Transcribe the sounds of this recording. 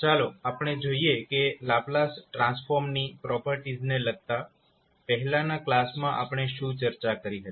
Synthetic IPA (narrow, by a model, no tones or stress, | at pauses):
t͡ʃaloapəɳ̃ed͡ʒoiekelaplasʈɾãnsfɔɾmnipɾɔpəɾʈid͡ʒneləɡ̚t̪a | pəɦɛlãnaklasmãʔa̰pɳ̃eʃũt͡ʃəɾt͡ʃakəɾiɦət̪i